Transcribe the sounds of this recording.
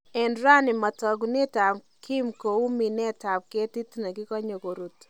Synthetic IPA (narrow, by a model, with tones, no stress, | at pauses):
ɛ˨nɾa˦nɪ˨ma˨tɔ˨ɡne˦ta˨m | ki˦mko˨u˦mi˨nɛ˦ta˨p̚ke˦ti˦tna˨ɡɪ˦kɔ˦ɲo˨ko˨ɾu˨t